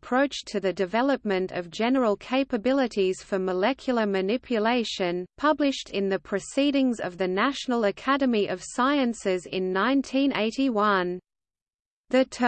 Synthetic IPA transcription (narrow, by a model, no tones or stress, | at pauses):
pʰɹ̥oʊt͡ʃtʰɨðɨdɨvɛlˠəp̚mɨ̃ntʰʌ̰vd͡ʒɛnə˞əlˠkʰeɪpɨbɪlˠəɾiz̥fə˞məlɛkʰjəl̩ˠəmɨnɪpʰjɨleɪʃɨ̃npʰʌblɪʃtʰɪ̃nðɨpʰɹ̥ɨsiɾɪ̃ŋzʌ̰vðɨnæʃnl̩ˠəkʰæɾɨmiʔʌv̥saɪɨ̃nsɪzɪ̰̃nːãɪ̃ntʰĩnʔḛɪɾiwʌ̃n | ðɨtʰ